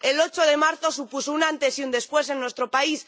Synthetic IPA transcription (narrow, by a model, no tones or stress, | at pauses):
elo̞t͡ʃo̞ðe̞maɾθo̞supusounãnt̪e̞siund̪e̞spwe̞se̞nːwe̞st̪ɾo̞pais